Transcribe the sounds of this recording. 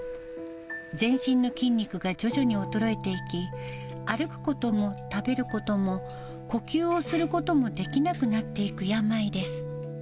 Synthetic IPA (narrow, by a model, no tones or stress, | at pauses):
zẽ̞ɰ̃ɕĩnːo̞kʲĩɲʲːikɯ̟ɡad͡ʑo̞ʑoɲ̟io̞t̪o̞ɾo̞e̞t̪e̞ikʲi | aɾɯ̟kɯ̟̥ko̞t̪o̞mo̞t̪abe̞ɾɯ̟ko̞t̪o̞mo̞ | ko̞kʲɨːosɨɾɯ̟ko̞t̪o̞mo̞d̪e̞kʲinakɯ̟nat̪ːe̞ikɯ̟jamaid̪e̞sɨ̥